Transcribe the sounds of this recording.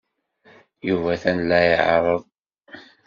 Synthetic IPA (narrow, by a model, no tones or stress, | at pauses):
juvæθænlːæjjəʕɾˤəðˤ